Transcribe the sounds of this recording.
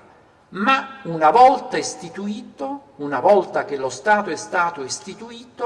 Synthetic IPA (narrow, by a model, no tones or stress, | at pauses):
maunavɔlt̪aest̪it̪uiːt̪ounavɔlt̪ak̟elost̪aːt̪oɛst̪aːt̪oest̪it̪uiːt̪o